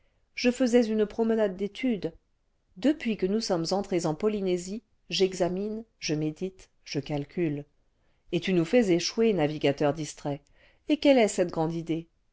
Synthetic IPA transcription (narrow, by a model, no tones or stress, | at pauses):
ʒ̥əfəzɛzynpχɔmənad̪ːet̪ʰyd̪ | d̪əpɥikənusɔmzɑ̃t̪χezɑ̃pɔlinezi | ʒɛɡzaminʒəmed̪it̪ | ʒ̥əkalkʲyl | et̪ynufɛzeʃwenaviɡʲat̪œʁd̪ist̪χɛ | ekɛlɛsɛt̪̚ɡʁɑ̃d̪id̪e